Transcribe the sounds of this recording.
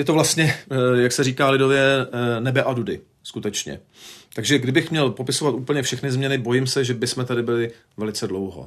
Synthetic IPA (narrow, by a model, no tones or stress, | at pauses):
jɛt̪ovlast̪ɲɛjaksɛɾiːkaːlɪdo̞vjɛnɛbɛʔadudɪ | skut̪ɛt͡ʃɲɛ̰ | t̪aɡʒɛɡdɪbɪxmɲɛlpo̞pɪso̞vat̪ʔuːpl̩ɲɛfʃɛxnɪzmɲɛnɪbo̞jɪmsɛʒɛbɪsmɛt̪adɪbɪlɪ | vɛlɪt͡sɛdlowɦo̰